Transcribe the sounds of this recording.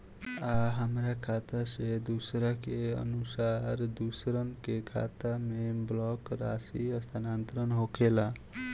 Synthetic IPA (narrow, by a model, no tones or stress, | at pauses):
aɦamɾakʰat̪ased̪usɾʌkeʌ̰nusaɾd̪usɾʌnkekʰa̰t̪ameblɔkɾasiʌst̪ʰanant̪ɾʌnɦokʰela